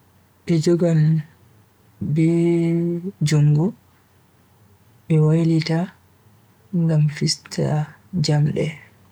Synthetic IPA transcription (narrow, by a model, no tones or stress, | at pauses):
ɓɛd͡ʒɔɡal | bɛ | d͡ʒuŋɡu | ɓɛwajlita | ŋɡamfistʰa̰ | d͡ʒamɗɛ̰